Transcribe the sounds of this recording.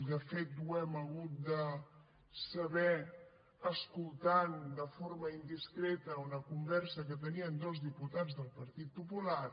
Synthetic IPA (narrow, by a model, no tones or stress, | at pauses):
d̪əfet̪̚d̪uɛməɣut̪̚d̪ə | səβɛ | əskulˠt̪and̪əfoɾməind̪iskɾɛt̪əunəkumbɛɾsəkət̪̬əniənd̪ɔzðiput̪ad͡zðəlˠpəɾt̪it̪̚pupula